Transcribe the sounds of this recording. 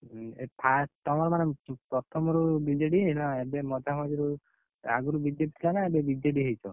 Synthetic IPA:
epʰast̪ɔmɔɾɔmanepɾɔt̪ʰɔmɔɾubid͡ʒeɖiɦʰlaebemɔd̪ʱamad͡ʒiɾu | a̰ɡuɾubid͡ʒepit̪ʰilanaebebid͡ʒeɖiɦejt͡ʃʰɔ

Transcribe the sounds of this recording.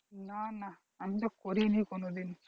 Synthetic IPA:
naːna | ɐnd̪ɐkoɾinikonud̪in

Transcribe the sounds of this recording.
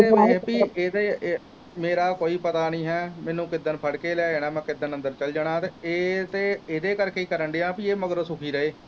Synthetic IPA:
eːepiːeːd̪eː | meːɾaːkoːiːpət̪aːnĩːɦɛːmɛ̃ːnũːkɪd̪ːənpʰəɽkeːlɛːeːɽ̃aːmɛ̃ːkɪd̪ənə̃nd̪əɾt͡ʃəld͡ʒaɽ̃ãːt̪eːeːt̪eːeːd̪eːkəɾkeːiːkəɾəɳɖ̪eãːpiːeːməɡəɾsʊkʰiːɾəeː

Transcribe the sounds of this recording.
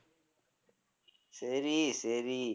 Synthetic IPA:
seːɾiseːɾiː

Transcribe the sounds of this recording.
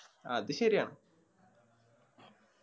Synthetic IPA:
ɐ̰ðɨɕɐɾijaːɳɨ

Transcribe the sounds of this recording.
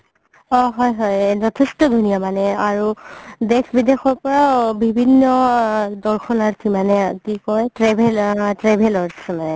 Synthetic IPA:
ɔɦɔjɦɔjd͡ʒɔtʰɛstɔd̪ʱunijamanɛaɹudɛkʰbidexɔɹpɔɹabibʱinːɔdɔɹxʰɔnaɹkʰimanɛkikɔjtɹɛbʱɛltɹɛbʱɛlɔɹsɛmanɛ

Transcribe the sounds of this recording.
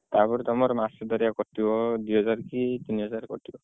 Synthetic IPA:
t̪apɔɾt̪ɔmɔɾmasɔd̪ɔɾijakɔtibɔd̪uɦɔzaɾkit̪iniɦɔzaɾkɔtibɔ

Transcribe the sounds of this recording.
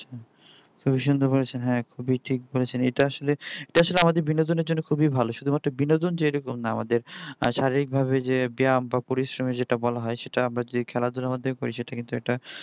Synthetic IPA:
kʰubiʃ̬und̪ʱobolet͡ɕʰenɦɛ̃kʰubiʈʰik̚bolet͡ɕʰeneʈaaʃoleeʈaaʃoleamad̪eɾbinod̪oneɾd͡ʑonːokʰubibʱaloʃud̪ʱumat̪ːɾabinod̪ond͡ʑeejɾokomnaa̰mad̪eɾʃaɾiɾik̚bʱaβed͡ʑebiambapoɾisɾomed͡ʑeʈabɔlaɦɔeʃeʈaamɾad͡ʑod̪ʱikʰɛlad̪ulamad̪eɾkoɾiʃeʈakint̪uɛʈa

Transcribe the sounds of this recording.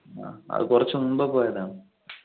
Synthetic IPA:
a̰ːɐ̰ðɨ̰kurɐt͡ɕːununbopoːjɐðaːɳɨ

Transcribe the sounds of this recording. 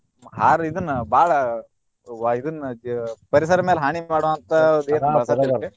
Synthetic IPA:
ɦaːɾid̪ɐnːɐbaːɭɐ | id̪ɐnːɐpɐɾis̬ɐɾɐmeːlɦaːɳimaːɽoʋɐnt̪ʰɐd̪eːɐɾɐsɐie

